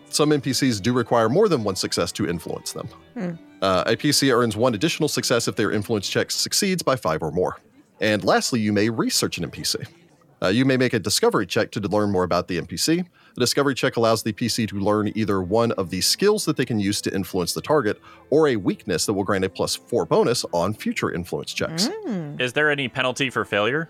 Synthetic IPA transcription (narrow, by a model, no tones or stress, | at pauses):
sʌ̃mɛ̃mpisizdɨɹɨkʰw̥aɪə˞mɔɹðə̃nwʌ̃nsɨksɛstʰɨʔɪ̰̃ɱflṵə̰̃nsðə̰̃m | ʔḛpʰisiɜ̃˞nzwʌ̃nɨdɪʃn̩l̩ˠsɨksɛsɨfðə˞ʔɪ̰̃ɱfluə̃nst͡ʃʰɛksɨksidzbaɪfaɪvə˞mɔ̰ɹ | ʔɨ̃nlæstˡlijɨmeɪɹisɜ˞t͡ʃɨ̃nɛ̰̃mpʰisḭ | jɨmeɪmeɪkɨdɨskʌvə˞it͡ʃʰɛk̚tʰɨlɜ̃˞nmɔɹəbaʊt̪̚ðiɛ̰̃mpisi | ədɨskʌvə˞it͡ʃʰɛkəlaʊzðɨpʰisiɾɨlɜ̃˞niðə˞wʌ̃nʌvðɨskɪlˠzðət̪̚ðeɪkɨ̃n̩jʉz̥tʰɨʔɪ̰̃ɱfluə̃nsðətʰɑɹɡɨɾə˞ɨwiknɨsðət̚wəlˠɡɹæ̃ntɨpʰl̥ʌsfɔɹbõʊ̃nɨsn̩fjʉt͡ʃə̰˞ʔɪ̰̃ɱflṵə̰̃nst͡ʃʰɛ̰ksɪzðə˞ɛnipʰɛnl̩ˠtifə˞feɪlˠjə˞